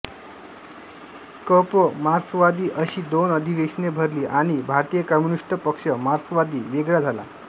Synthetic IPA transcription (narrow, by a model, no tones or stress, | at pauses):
kəpəmaɾsʋad̪iːʔəɕiːd̪onəd̪ʱiʋeɕnebʱəɾliːʔaɽ̃ibʱaɾt̪ijəkəmjuniʂʈəpəkʂəmaɾsʋad̪iːʋeɡɭad͡zʱala̰